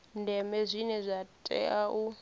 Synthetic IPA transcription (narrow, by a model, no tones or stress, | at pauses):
ndɛmɛzʷinɛzʷatʼɛ̰ʔaʔu